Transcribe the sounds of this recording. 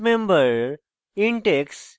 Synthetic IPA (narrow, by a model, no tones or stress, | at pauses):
mẽmbəɾ | iɳʈeks